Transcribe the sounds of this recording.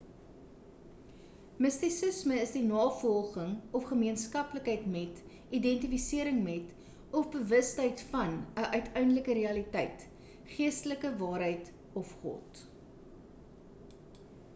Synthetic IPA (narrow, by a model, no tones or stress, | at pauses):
məstisəsməəsdinɑːfɔlˠχəŋɔfχəmiənskɐpləkɦəjtmɛt | idɛntifisiəɾəŋmɛt | ɔfbəvəstɛjtfɐnəʔœɥtʰœɥndləkəɾiɐlitɛjt | χiəstələkəvɑːɾɦəjt | ɔfχɔ̰t